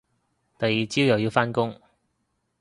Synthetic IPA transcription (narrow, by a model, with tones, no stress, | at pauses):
t̪ɐ˨jːiː˨t͡siː˥wjɐ˨˩wji˧wfaː˥nkʊ˥ŋ